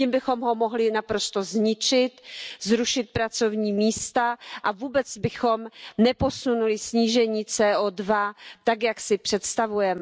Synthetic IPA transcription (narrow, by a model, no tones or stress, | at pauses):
iːmbɪxo̞mɦo̞mo̞ɦlɪnapɾo̞st̪o̞zɲɪt͡ʃɪt̪zɾuʃɪt̪̚pɾat͡so̞vɲiːmiːst̪aʔavuːbɛt͡sbɪxo̞mnɛpo̞sunulɪsɲiːʒɛɲiːt͡sɛːʔoːdvat̪akjaksɪpr̥ɛt̪st̪avujɛmɛ